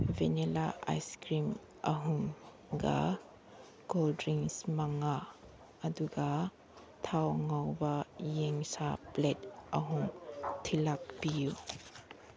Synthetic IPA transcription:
venɛlaa̰jskɾim | ʔɐɦum | ɡa̰ | ɡɔldɾiŋsmaŋaː | duɡa | t̪ʰawŋawbajeŋsaplɛt̚ʔɐ̰ɦumt̪ʰilak̚piju

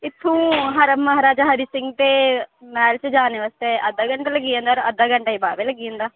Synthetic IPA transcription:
ɪt̪ʰːũːɦəɾəmːəɦaɾaːd͡ʒaːɦəɾiːsɪŋɡt̪eːmɛːlt͡ʃd͡ʒaːneːʋaːst̪eːʔəd̪aːɡəɳʈaləɡiːãːnd̪aːɾəd̪aːɡəɳʈaːiːbaːʋeːləɡiːə̃nd̪aː

